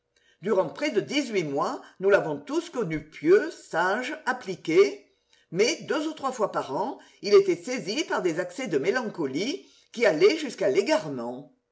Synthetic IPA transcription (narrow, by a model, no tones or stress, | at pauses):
d̪yʁɑ̃pχɛd̪əd̪izɥimwanulavɔ̃t̪uskɔnypjøsaʒaplike | mɛd̪øzut̪χwafwapaʁɑ̃ | ilet̪ɛsezipaʁd̪ezaksed̪əmelɑ̃kɔli | kialɛʒyskaleɡaʁmɑ̃